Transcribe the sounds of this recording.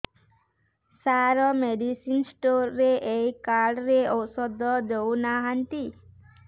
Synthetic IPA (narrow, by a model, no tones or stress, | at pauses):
saɾɔmeɖisinsʈoɾːeʔejkaɾɖɾeɔwsɔd̪ʱɔd̪ownaɦant̪i